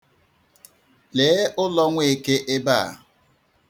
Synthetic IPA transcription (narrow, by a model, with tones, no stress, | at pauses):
leː˨˦ʊ˦lɔ˦ŋʷe˦e˦˨ke˦ʔɪ˦baː˦˨